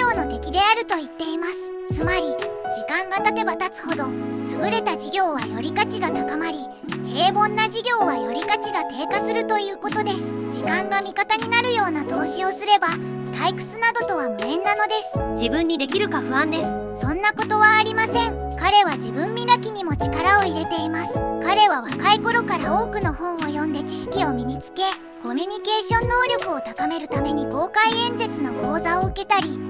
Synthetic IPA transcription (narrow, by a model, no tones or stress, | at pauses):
o̞ːno̞t̪e̞kʲid̪e̞aɾɯ̟t̪o̞it̪ːe̞imasɨ̥ | t͡sɨmaɾʲid͡ʑikãŋɡat̪at̪e̞bat̪at͡sɨ̥ho̞d̪o̞sɨɡɯ̟ɾe̞t̪aʑiɡʲo̞ːβ̞ajo̞ɾʲikat͡ɕiɡat̪akamaɾʲi | he̞ːbõ̞nːaʑiɡʲo̞ːβajo̞ɾʲikat͡ɕiɡat̪e̞ːkasɨɾɯ̟t̪o̞jɯ̟ːko̞t̪o̞d̪e̞sɨ̥d͡ʑikãŋɡamʲikat̪aɲ̟inaɾɯ̟jo̞ːnat̪o̞ːɕio̞sɨɾe̞ba | t̪aikɯ̟̥t͡sɨnad̪o̞t̪o̞β̞amɯ̟ẽ̞nːano̞d̪e̞sɨ̥d͡ʑibɯ̟̃ɲ̟ːid̪e̞kʲiɾɯ̟kaɸɯ̟ãnd̪e̞sɨ̥sõ̞nːako̞t̪o̞βaːɾʲimasẽ̞ŋ | kaɾe̞β̞ad͡ʑibɯ̟̃mːʲid̪akʲiɲ̟imo̞t͡ɕi̥kaɾao̞iɾe̞t̪e̞imasɨ̥kaɾe̞β̞aβakaiko̞ɾo̞kaɾao̞ːkɯ̟no̞hõ̞ɰ̃o̞jõ̞nd̪e̞t͡ɕiɕi̥kʲio̞mʲiɲ̟it͡sɨ̥ke̞ | ko̞mʲyɲ̟ike̞ːɕõ̞nːo̞ːɾʲo̞kɯ̟o̞t̪akame̞ɾɯ̟t̪ame̞ɲ̟iko̞ːkaiẽ̞nze̞t͡sɨno̞ko̞ːzao̞ɯke̞t̪aɾʲi